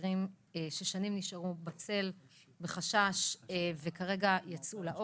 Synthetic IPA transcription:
ʁim | eʃeʃanimniʃaʁubat͡se̞l | beχaʃaʃvekaʁe̞ɡajat͡sulaʔo

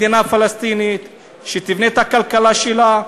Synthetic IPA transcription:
d̪inafalast̪init̪ | ʃet̪ivnet̪hakalkalaʃela

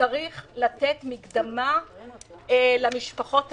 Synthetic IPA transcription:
aʁiχlat̪et̪miɡd̪ama | lamiʃpaχo̞t

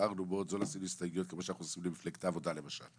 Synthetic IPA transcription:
aʁnubo̞t̪zo̞lasinuist̪aɡjt̪̚kemo̞ʃeanaχusimlimifleɡt̪avo̞d̪alemaʃa̰l

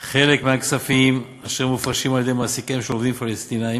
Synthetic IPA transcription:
χe̞lekmeaksafim | aʃeʁmufʁaʃimaljed̪ejmasikaimʃeovd̪imfalest̪inaim

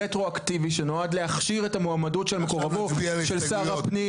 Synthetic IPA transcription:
etʁoaktiviʃenoadleaχʃiʁetamoamadutʃelmekoʁavoʃelsaːʁapni

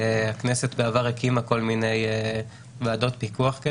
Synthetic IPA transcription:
akne̞set̪beavaʁekimako̞lmine̞j | vaːdo̞t̚pikuaχke

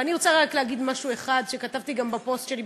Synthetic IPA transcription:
aniʁot͡saʁaklehaɡid̪maʃue̞χad̪ʃe̞katavt̪iɡambapo̞stʃe̞li

